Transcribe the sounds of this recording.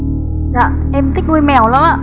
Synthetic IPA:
za˧˨ | ʔɛ˧mt̪ʰi˦˥k̟̚ŋu˧jmɛ˨˩wla˨˦maː˧˨˩

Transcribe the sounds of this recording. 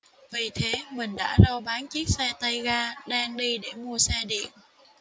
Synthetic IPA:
vi˨˩t̪ʰe˨˦mï˨˩ŋ̟ɗa̰ː˧˥ɗɔ˧ɓaː˨˦nt͡ɕi˦˥ək̚sɛ˧t̪ə˧jɣaː˧ɗaː˧ŋɗi˧ɗe˧˩mu˧əsɛ˧ɗḭ˧˨ən

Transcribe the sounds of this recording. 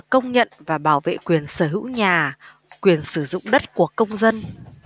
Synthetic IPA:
kə˧wŋ͡mɲə̰˧˨nvaː˨˩ɓaː˧˩wvḛ˧˨kwi˨˩ənsəː˧˩ɦɨ̰˧˥wɲaː˨˩ | kwi˨˩ənsɨ˧˩zʊ̰˧˨ŋ͡mɗə˦˥t̚ku˧˩əkə˧wŋ͡mzə˧n

